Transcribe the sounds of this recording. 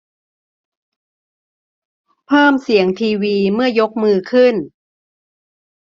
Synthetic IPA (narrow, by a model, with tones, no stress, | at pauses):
pʰɤː˥˩msi˩˦əŋt̪ʰiː˧wiː˧mɯ˥˩ɐjo˦˥k̚mɯː˧kʰɯ˥˩n